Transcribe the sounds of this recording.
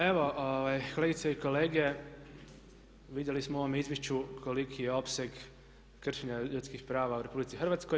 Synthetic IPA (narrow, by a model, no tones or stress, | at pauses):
e̞ʋo̞ʔoʋajko̞le̞ɡit̪seiko̞le̞ːɡe̞ | ʋid̪je̞lismooʋomeizʋje̞ʃt͡ɕukʰolikʰije̞o̞pse̞ɡ | kr̩ʃiɲaʎut̪skixpɾaːʋauɾe̞publit̪ixr̩ʋat̪skoj